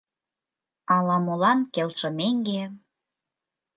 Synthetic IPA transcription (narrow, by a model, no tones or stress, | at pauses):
ɑlɑmolɑnkelʃɤ̆meŋɡe